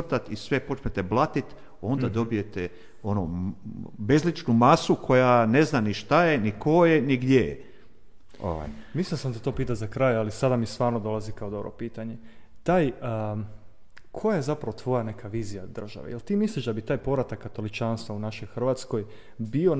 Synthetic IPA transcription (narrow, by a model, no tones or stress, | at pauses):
t̪at̪isʋepo̞t͡ʃmet̪eblˠat̪it̪ | o̞nd̪ad̪o̞bije̞t̪e | ono | bezlit͡ʃnumasukʰo̞jane̞znaniʃt̪aje̞niko̞je̞niɡd̪jej̰ | o̰ʋa̰jmislinsamd̪at̪o̞piːt̪azakɾajalisad̪amist̪ʋaːɾnod̪o̞lˠazikaod̪o̞bɾo̰piːt̪aɲe̞ | t̪aːjə | kʰojajezapɾaʋo̞t̪ʋo̞jane̞kaʋiːzijad̪r̩ʒa̰ʋḛjelt̪iːmisliʃd̪abit̪aːjpo̞ʋɾat̪akːat̪o̞lit͡ʃaːnst̪ʋaunaʃojxrʋaːt̪sko̞j | bio